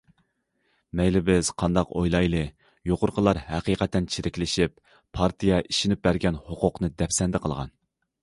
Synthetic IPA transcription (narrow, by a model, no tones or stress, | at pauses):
mɛjlɪbɪz̥qʰɑnd̪ɑqojlˠɑjlˠɨ | joqʊɾqʰəlˠɑɾhæqiːqɛt̪ːɛnt͡ʃʰiɾɪkʲlɪʃip | pʰɑɾt̪ʰijɛʔiʃinɪp̚bæɾɡʲɛnhoqʊqnɨd̪ɛpsɛnd̪ɪqʰəlˠʁɑ̰n